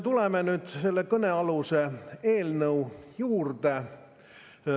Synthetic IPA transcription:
t̪ulemenyt̪selːekøneɑluseeːlneujuːrt̪e

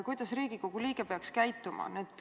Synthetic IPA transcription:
kujd̪̥ɑsriːɡ̥iko̞ɡ̥uliːɡ̥epeɑkskæjt̪ːˑumɑ̰net̪ːˑ

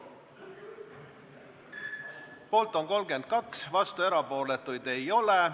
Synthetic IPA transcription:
po̞ːlt̪ːˑo̞ŋko̞lɡe̞nd̪̥̚kɑksvɑst̪ue̞ɾɑpo̞ːle̞t̪ːujd̪̥e̞jo̞le

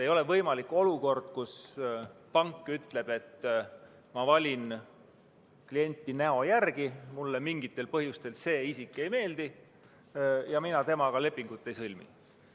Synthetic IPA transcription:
ejo̞levɤjmɑlikːˑo̞luko̞rd̪̥̚kus | pɑŋkːˑyt̪le̞b̥e̞t̪ː | mɑvɑlʲin | klije̞nʲt̪ːˑineo̞jærɡ̥imulːemiŋɡ̥it̪ːˑe̞lpɤhjust̪e̞lse̞ːisikːˑe̞jme̞ːld̪̥i | jɑminɑt̪e̞mɑkɑle̞pːˑiŋɡ̥ut̪ˑːe̞jsɤlʲmḭ

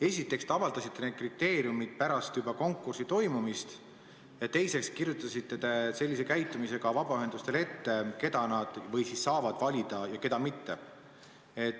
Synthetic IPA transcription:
e̞sʲit̪ːˑe̞kst̪eɑvɑld̪ɑsit̪ːe̞neːd̪̚krit̪ːe̞ːɾiumid̪̥̚pæɾɑst̪jubɑko̞ŋkːursit̪o̞jmumist̪ | jɑt̪e̞jse̞kskirjut̪ːˑɑsit̪ːet̪e̞se̞lːis̬e̞kæjt̪ːˑumise̞ɡ̥ɑvɑb̥ɑyɦe̞nd̪̥ust̪e̞le̞t̪ːe̞ke̞d̪̥ɑnɑd̪̥vɤ̞jsisːɑːvɑd̪̥vɑlʲid̪̥ɑjɑke̞d̪ɑmit̪ːe̞ | et̪ː

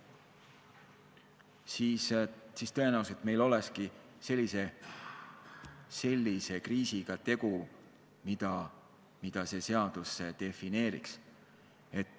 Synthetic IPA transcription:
siːssiːst̪ø̞e̞næuset̪me̞jlo̞leski | se̞lʲːise̞ | se̞lʲːise̞kriːsiɡ̥ɑt̪e̞ɡ̥u | mid̪̥ɑ | mid̪̥ɑse̞se̞ɑd̪̥usːed̪̥e̞fine̞ːɾḭks | e̞t̪ːˑ

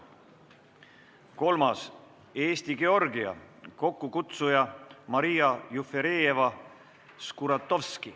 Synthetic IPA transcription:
ko̞lmɑs | e̞ːst̪iɡe̞o̞rɡiɑ̰ | ko̞kːukut̪sujɑmɑɾijɑjufeɾe̞ːjevɑ | skuɾɑt̪ːˑo̞vski

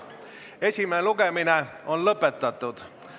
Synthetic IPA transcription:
e̞sʲimeluɡemineo̞nlɤpːˑet̪ːˑɑt̪ːˑud̪̥

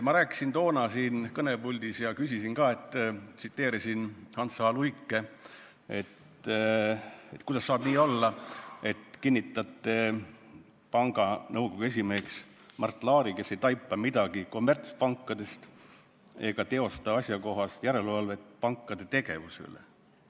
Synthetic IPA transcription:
mɑɾæːkːˑi̥sint̪o̞ːnɑsiːnkɤne̞bulʲd̪̥isjɑkysisinkɑːe̞t̪ːˑt̪sit̪ːe̞ːɾisinhɑnsɑːluikːˑe̞ | e̞t̪ | et̪kujd̪ɑsːɑːb̥niːo̞lːɑe̞t̪kinʲːit̪ːˑɑt̪ːˑe̞ | pɑŋɡ̥ɑnɤwko̞ɡues̬ʲimeːks | mʔɑrt̪ːˑlɑːɾike̞sːejt̪ɑjpːˑɑmid̪̥ɑɡ̥iko̞mːert̪spɑŋkːˑɑd̪e̞st̪ | e̞ɡ̥ɑt̪e̞o̞st̪ɑɑsʲjɑko̞ɦɑst̪jæɾe̞lvɑlve̞t̪pɑŋkˑːɑd̪̥e̞t̪e̞ɡ̥e̞vusḛlḛ

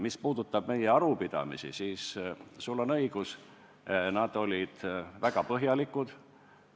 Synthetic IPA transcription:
mispuːd̪̥ut̪ːˑɑb̥̚me̞jeɑɾupid̪̥ɑ̰mḭsḭsiːssulːo̞nɤiɡ̥us | nɑd̪̥o̞lʲid̪̥væɡ̥ɑpɤɦjɑlikud̪̥

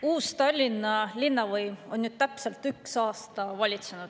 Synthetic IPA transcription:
uːst̪ɑlʲːinːɑlʲinːɑvɤjmo̞nnyd̪̥̚t̪æpselt̪yksɑːst̪ɑvɑlʲit̪senud̪̥

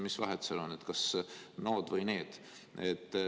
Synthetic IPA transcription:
misvɑɦet̪selonːet̪kɑsnoːd̪̥vɤjne̞ːd̪̥ | et̪ː

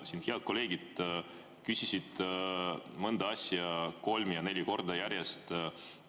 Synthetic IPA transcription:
sin̥hiɑd̪̚ko̞le̞ːɡ̥id̪̥ | kysʲisid̪̥ | mɤnd̪̥ɑɑsʲjɑko̞lmjɑne̞lʲiko̞rd̪ɑjæɾjest̪

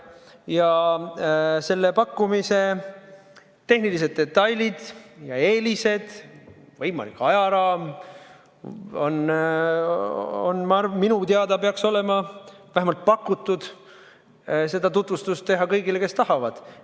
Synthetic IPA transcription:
jɑ | se̞lːepɑkːumise̞ | t̪ːe̞hnilise̞d̪̥̚ːe̞t̪ːɑjlʲid̪̥jɑe̞ːlise̞d̪̥vɤjmɑ̰likːˑɑjɑɾɑːm | o̞n | o̰nmɑrminut̪eɑd̪ɑpeɑkso̞le̞mɑvæɦemɑlt̪̚pɑkːˑut̪ːˑud̪̥ | se̞d̪̥ɑt̪ut̪vust̪ust̪ːe̞ɦɑkɤjɡile̞ke̞st̪ɑhɑvɑd̪̥

